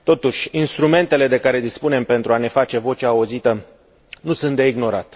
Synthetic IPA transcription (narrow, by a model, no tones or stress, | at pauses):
t̪o̞t̪uʃʲinst̪ɾume̞nt̪e̞le̞d̪e̞kaɾe̞d̪ispune̞mpe̞nt̪ɾuane̞fat͡ʃe̞vo̞t͡ʃaːuzit̪ə | nusunt̪d̪e̞iɡno̞ɾa̰t̪